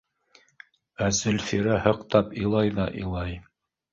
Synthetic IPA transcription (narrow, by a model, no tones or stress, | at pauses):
æzɘ̆lfiɾæhɤ̆qt̪ɑpĭlˠɑjðɑʔḭ̆lˠɑj